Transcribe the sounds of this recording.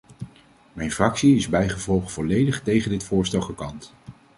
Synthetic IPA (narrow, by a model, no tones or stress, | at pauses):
mɛjnfrɑksiɪzbɛjχəvɔlˠχv̥ɔlejdəχtejχəndɪtfʊːɹstɛlˠχəkɑnt